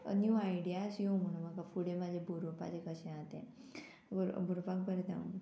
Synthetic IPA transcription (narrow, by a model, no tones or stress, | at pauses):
ə̰njuːaiɖijasjom̤əɽ̃ũmakafuɽemad͡ʑʱebʱuɾopa̰d͡ʑekəɕẽãt̪ḛ̃ | oɾbʱuɾopak̚bəɾet̪a̰ṵ̃ŋ